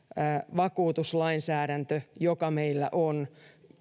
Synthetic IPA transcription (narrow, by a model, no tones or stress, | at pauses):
ʋɑkuːt̪uslɑinsæːɾænt̪øjokɑmeilːæ̰ʔon